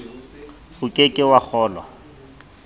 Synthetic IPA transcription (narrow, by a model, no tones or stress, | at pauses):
hʊkʼekʼɪwak͡xʰɔːlɔ̰